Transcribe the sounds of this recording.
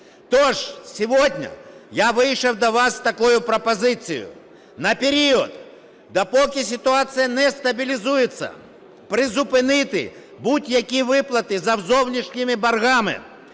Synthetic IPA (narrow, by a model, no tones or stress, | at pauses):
t̪ɔʐsʲiʋɔdʲnʲɐ̰jaʋɪjʂɐwd̪ɐʋast̪ɐkɔjʊpɾɐpɐzɪsʲijʊ̰ | nɐpʲeɾʲiɔd̪ | d̪ɐpɔkʲisʲɪt̪ʊat̪sɨjɐnɛst̪ɐbʲilʲizujɪt̪sːɐ̰ | pɾɪzʊpɪnɪt̪ɪ̰ | butʲjɐkʲiʋɪplˠɐt̪ɪzɐwzɔwnʲiʂnʲɪmɪbɐrɣamɪ̰